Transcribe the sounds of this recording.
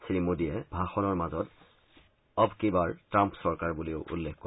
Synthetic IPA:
sɹimodiɛbʱaxɔnɔɹmazɔt | ɔbkibaɹtɹampsɔɹkaɹbuliʊʔṵlːekkɔ

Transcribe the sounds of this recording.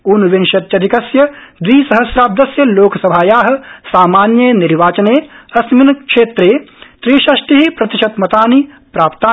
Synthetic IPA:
uːnʋɪnʃɐt̪jɐd̪ʱikɐsjɐd̪ʋiːsɐɦɐsɾaːb̚d̪ɐsjɐloːkʰsɐbʱaːjaːɦɐ̆saːmaːnjɐniɾʋaːt͡ʃɐneːɐsminkʃeːt̪ɾeːt̪ɾiːʃɐʃʈ̪iɦipɾɐt̪ɪʃɐt̪mɐt̪aːni | pɾaːpt̪aː

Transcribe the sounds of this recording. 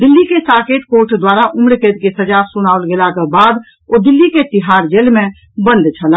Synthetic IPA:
d̪ilːikesaket̪̚koɾʈʰd̪waɾaʔumɾket̪kesəd͡ʒasunaəlɡelakebad̪ | od̪ilːiket̪iɦaɾd͡ʒelmẽ | bənd̪t͡ʃʰəla

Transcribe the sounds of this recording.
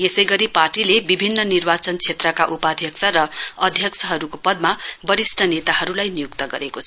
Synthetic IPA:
esʌjɡʌɾiparʈilebibʱinːʌnirbat͡sʌnt͡sʰet̪rʌkaʔupad̪ʱjʌksʰʌɾʌʌd̪ʱjʌksʰʌɦʌɾukopʌd̪mabʌɾisʈʰʌnet̪aɦʌɾulajnijukt̪ʌɡʌɾekot͡sʰʌ

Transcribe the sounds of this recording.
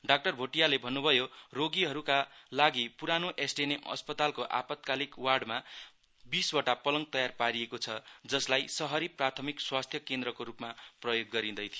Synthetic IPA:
ɖak̚ʈʌrbʱoʈijalebʱʌnːubʱʌjoroɡiɦʌɾukalaɡipuɾanoʔesʈeneʔʌ̰spʌt̪alkoʔa̰pʌt̪̚kalikwarɖma | biswʌʈapʌlʌŋɡt̪ʌjarpaɾiekot͡sʰʌd͡zʌslajsʌɦʌɾiprat̪ʰʌmikswast̪ʰjʌkend̪rʌkoɾupmaprʌjoɡːʌɾĩd̪ʌjt̪ʰijo

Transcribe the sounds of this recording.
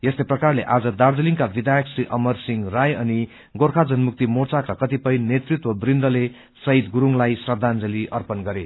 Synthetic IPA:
jest̪eprʌkarleʔad͡zʌd̪ard͡zʌliŋkabid̪ʱajʌksriʔʌmʌrsiŋrajʌni | ɡorkʰad͡zʌnmuk̚t̪imot͡sakakʌt̪ipʌjnet̪rit̪wʌbrind̪ʌle | sʌit̪ɡuɾuŋlajsrʌd̪ʱːand͡zʌliʔʌrpʌnɡʌɾe

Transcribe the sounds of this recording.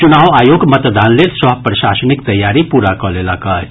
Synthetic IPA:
t͡ʃʊnaːʋaːjoːɡmət̪d̪aːnleːlsɐɦpɾəʃaːsənɪkt̪ɐjːaːɾipuːɾakɔlelaka

